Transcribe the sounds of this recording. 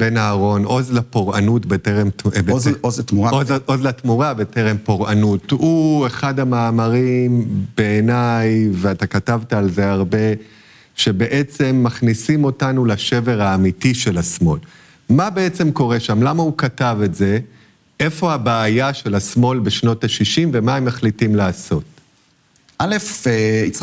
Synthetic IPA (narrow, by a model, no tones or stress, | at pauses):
benaːʁo̞no̞zlapoʁanutbeteʁembeoztmuaozʔozlatmuʁabeteʁempo̞ʁʔanutue̞χadamaːmaʁimb̥e̞ːnajveatakatavtaːlze̞aʁbe̞ | ʃe̞be̞ʔet͡se̞mːaχnisimo̞tanulaʃe̞ve̞ʁaːmitiʃe̞lasmo̞l | mabeet͡se̞mko̞ʁe̞ʃamlamaukatave̞tze̞ | ʔe̞fo̞habaːjaʃe̞lasmo̞lbeʃno̞taʃiʃimvemaemːaχlitimlaːso̞t | alefit͡s